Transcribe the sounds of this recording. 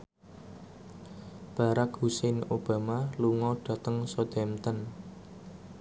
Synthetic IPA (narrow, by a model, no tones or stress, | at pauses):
b̥a̤ɾakhusɛnob̥a̤maluŋɔɖ̥a̤t̪əŋsod̪̥ɛmt̪ən